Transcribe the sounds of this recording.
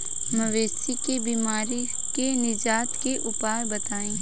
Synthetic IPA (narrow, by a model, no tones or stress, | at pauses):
mɐʋeːsikebiːmaːɾi | kenɪd͡ʒaːt̪keʔʊpaːɾbɐt̪aːẽː